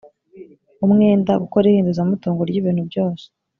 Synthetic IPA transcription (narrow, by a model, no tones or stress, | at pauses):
umŋe̞ːndaɡuko̞ɾihiːnduzamutuːŋɡoɾɟiβiːn̥hubɟo̞ːse̥